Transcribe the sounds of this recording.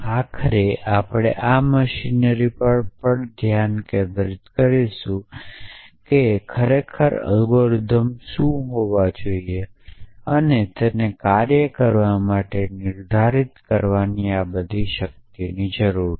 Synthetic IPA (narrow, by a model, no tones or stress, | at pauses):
akʰəɾeʔapɽ̃ḛʔaməʃinəɾipəɾpəɳd̪ʱjankeb̪ɾit̪kəɾiʃũ | kekʰəɾekʰəɾə̰lɡoɾd̪ʱəmʃũɦoʋad͡ʒoieənet̪enekaɾjəkəɾʋamaʈenɪɾd̪ʱaɾit̪kəɾʋaniabəd̪ʱiʃək̚t̪inid͡ʒəɾuɾ